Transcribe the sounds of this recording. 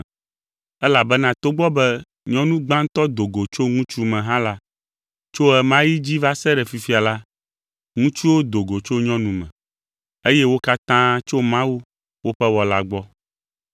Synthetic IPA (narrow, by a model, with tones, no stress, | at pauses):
ɛ˦la˨bɛ˦nã˨t̪o˦ɡ͡bɔ˦bɛ˦ | ɲɔ̃˦nũ˦ɡ͡bã˦ŋ˦t̪ɔ˦d̪o˨ɡo˨t͡ʃo˦ŋũ˦t͡ʃu˦mɛ̃˨ɦã˦la˦ | t͡ʃo˦ɛ˨mã˦ji˦d͡ʑi˦va˦sɛ˦ɖɛ˨fi˨fi˦a˨la˦ | ŋũ˦t͡ʃu˦wo˦d̪o˨ɡo˨t͡ʃo˦ɲɔ̃˦nũ˨mɛ̰̃˨ | e˦jɛ˦wo˦ka˦t̪ã˦t͡ʃo˦mã˦wu˦ | wo˦ɸɛ˦wɔ˨la˦ɡ͡bɔ˦